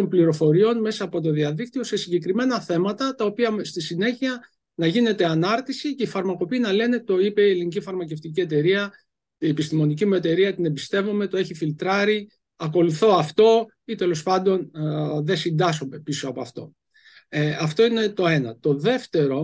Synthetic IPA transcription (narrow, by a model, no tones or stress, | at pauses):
ompliɾo̞fo̞ɾio̞nme̞sɐːpo̞t̪̬o̞ðiɐðik̚t̪io̞se̞siɲɟe̞kɾime̞nɐθe̞mɐt̪ɐt̪ɐo̞piɐst̪isine̞çiɐ | nɐʝine̞t̪e̞ɐnɐɾt̪isice̞ifɐɾmɐko̞piːnɐle̞ne̞t̪o̞ipe̞ielinicifɐɾmɐce̞ft̪ic̬ie̞t̪̬e̞ɾiɐ | iepist̪imo̞nicimue̞t̪e̞ɾiɐt̪inebist̪e̞vume̞t̪o̞e̞çifilt̪ɾɐɾi | ɐko̞luθo̞ɐft̪o̞ | it̪e̞lo̞spɐnd̪o̞nðe̞sind̪ɐsomepisoɐpoɐft̪o̞̰ | ɐft̪o̞ine̞t̪o̞e̞nɐt̪o̞ðe̞ft̪e̞ɾo̞